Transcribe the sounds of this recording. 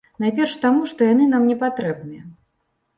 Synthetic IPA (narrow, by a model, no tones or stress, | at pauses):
najpʲɛrʂt̪amuʂt̪ɔjanɨnamnʲɛpat̪ɾɛbnɨjɐ